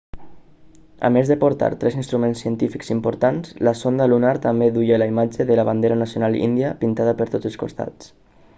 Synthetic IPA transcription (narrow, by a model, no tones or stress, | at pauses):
ə̰mezðəpoɾt̪a̰ɾt̪ɾɛsinst̪ɾumẽnsːiənt̪ifikzimpoɾt̪anzləsond̪əlunaɾt̪ambeðujeləimad͡ʒəðələβand̪eɾənasionalḭnd̪iəpint̪aðəpəɾt̪od͡zəlˠsko̰st̪a̰t͡s